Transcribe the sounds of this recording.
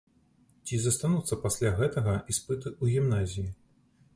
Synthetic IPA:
t͡sʲizɐst̪anut̪sːɐpasʲlʲaɣɛt̪ɐɣɐispɨt̪ɨuɣʲimnazʲiji

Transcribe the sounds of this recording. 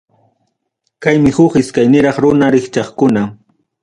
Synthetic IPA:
kajmɪhʊχɪskajnɪɾɑχɾʊnaɾɪkt͡ʃɑχkʊna

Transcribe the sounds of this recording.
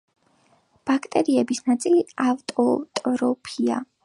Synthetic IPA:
b̥akʰt̪ʼɛɾiɛbisnat̪sʼiliavt̪ʼɔt̪ʼɔɾɔpʰia̰

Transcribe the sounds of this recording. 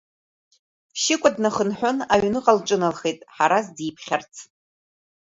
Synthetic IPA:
ʃɪkʷʼadnaχənħʷᶣʊnaɥnɨqʼalʈ͡ʂʼɨnalχejtʼħaɾazdipʰχʲart͡sʰ

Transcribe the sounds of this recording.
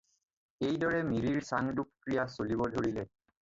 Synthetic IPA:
ejdɔɹɛmiɹiɹsaŋdukkɹijasolibɔdʱoɹilɛ

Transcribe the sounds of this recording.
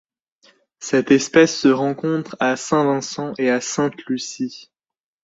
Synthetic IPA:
sɛt̪ɛspɛsːəʁɑ̃kɔ̃t̪χasɛ̃vɛ̃sɑ̃ʔeasɛ̃t̪lysi

